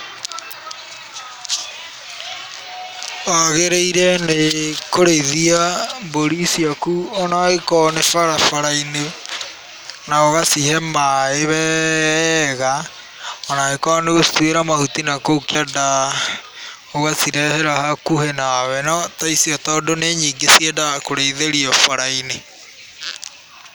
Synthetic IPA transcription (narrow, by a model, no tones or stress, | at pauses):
ɔɣeɾeiɾɛnekoɾeðiamboɾisiakuonaekɔnefaɾafaɾaine | naoɣasihɛmaeβɛ | ɣa | ɔnaekɔneɣostweɾamahutinakoukada | oɣasiɾɛhɛɾahakuhenawɛnɔtaisiɔtɔdoneɲiːŋɡesiɛdakoɾeiðeɾiɔfaɾaine